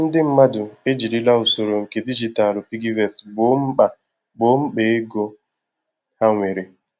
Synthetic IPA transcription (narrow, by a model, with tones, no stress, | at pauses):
n̩˦dɪ˦m̩˦ma˦dʊ˨e˦d͡ʒi˨li˦la˦ʊ˨so˨ɾo˨ŋ̩˨ke˨di˦d͡ʒi˨ta˨lʊ˨pi˦ɡi˦vɛ˨sɡ͡bo˦m̩˦a˨ | ɡ͡bo˦m̩˦k͡pe˨˦e˦ɡo˦ | ha˦ŋʷe˨ɾe˨